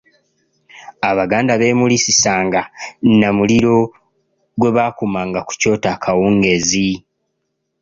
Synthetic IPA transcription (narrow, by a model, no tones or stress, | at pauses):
aβaɡaːndaβe̞ːmulisisaːŋɡanamuliɾo̞ | ɡwe̞βakumaːŋɡaku̥co̞ːtakʰawuŋɡe̞zi